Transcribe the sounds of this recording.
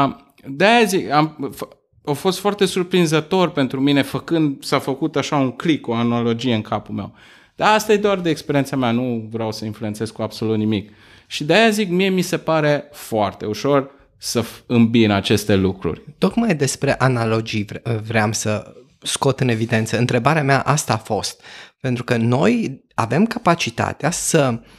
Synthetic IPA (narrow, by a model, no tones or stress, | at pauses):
d̪eajazikamf | ofo̞st̪foart̪e̞surpɾinzət̪o̞rpe̞nt̪ɾumine̞fəkɨnd̪safəkut̪aʃauŋklikːoanalo̞d͡ʒie̞ɨŋkapulme̞̰w | d̪̥aast̪ajed̪oard̪eːkspeɾient̪sameanuvɾeawsəinflue̞nt̪se̞zkuab̥so̞lut̪nimik | ʃid̪eajazikmie̞mise̞paɾe̞foart̪e̞uʃo̞r | səɨmbinat͡ʃe̞st̪e̞lukɾṵrʲt̪o̞kmajd̪e̞spɾe̞ʔanalo̞d͡ʒivvɾeamsə | sko̞t̪ɨne̞vid̪e̞nt̪səɨnt̪ɾe̞baɾeameaʔast̪aːfo̞st̪̚pe̞nt̪ɾukəno̞j | ave̞mkapat͡ʃit̪a̰t̪easə